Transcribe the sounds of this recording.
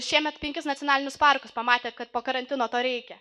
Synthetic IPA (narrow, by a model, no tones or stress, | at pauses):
ʃʲiɛmʲɛt̪pʲɛŋʲkʲɪsnɐt̪t͡sʲɪoɔnɑːlʲɪnʲʊspɑɾkʊspɐmɑːt̪ʲeːt̪kɐt̪̚poːkɐɾɐnʲt̪ʲɪnoːt̪oːɾʲɛɪkʲɛ